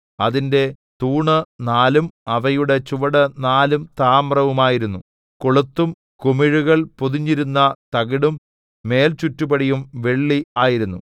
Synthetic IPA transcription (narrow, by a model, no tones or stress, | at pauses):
ɐðinde̞ | t̪uːɳɨnaːlumɐʋɐjuɽe̞t͡ɕuʋɐɽɐnaːlumt̪aːmrɐʋumaːjiɾunːu | koɭut̪ːum | kumiɻuɣɐɭpoðiɲːiɾunːɐt̪ɐɣiɽumː | e̞ːlt͡ɕutːubɐɽijumʋe̞ɭːiaːjiɾunːu